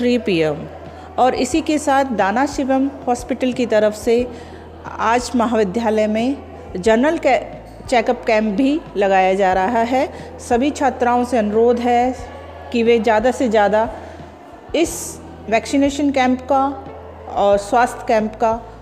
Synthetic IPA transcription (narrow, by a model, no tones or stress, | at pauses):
t̪ʰɾiːpiːem | ɔːɾɪsikesaːt̪ʰd̪aːnaʃɪʋəmhaːspɪʈəlkit̪ɐɾəfse | aːd͡ʒmɐɦaːʋɪd̪ʱjaːləjmẽ | d͡ʒɐɾnəl | t͡ʃɛːkəpkɛ̃ːmp̚bʱilɐɡaːjad͡ʒaːɾɐɦaɦɛ | sɐbʱit͡ʃʰaːt̪ɾaːõseɐnʊɾoːd̪ʱɦɛ | kiʋed͡ʒjaːd̪ased͡ʒjaːd̪a | ɪs | ʋɛːksɪneːʃənkɛ̃ːmpka | ɔːɾswaːst̪ʰkɛ̃ːmpka